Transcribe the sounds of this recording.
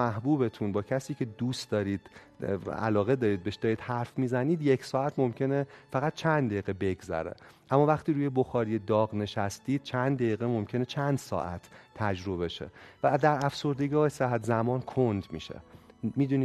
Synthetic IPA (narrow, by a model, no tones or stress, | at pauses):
æɦbuːbe̞t̪ʰuːnbɒːcʰæsiːcʰe̞d̪uːst̪d̪ɒːɾiːd̪̥ | æ̰lɒːɣe̞d̪ɒːɾiːd̪̚beʃd̪ɒːɾiːd̪hæɾfmiːzæniːd̪je̞cʰsɒːæt̪ʰmo̞mcʰe̞nefæɣæt̪̚t͡ʃʰænd̪d̪æjiɣebe̞ɡzæ̰ɾḛʔæmːɒːvæχt̪iːɾuːjebo̞xɒːɾijed̪ɒːɣne̞ʃæst̪iːd̪̥t͡ʃʰænd̪d̪æjiːɣemo̞mcʰe̞net͡ʃʰænd̪̥sɒ̰ːʔæt̪ʰːæd͡ʒɾo̞βe̞ʃḛvæd̪æɾæfso̞ɾd̪e̞ɡɒːheseɦæt̪zæmɒːnkʰond̪mḭːʃḛmiːd̪uni